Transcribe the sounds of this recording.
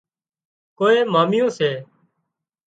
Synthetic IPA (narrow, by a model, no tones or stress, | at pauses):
koːeːmaːmɪjõːseː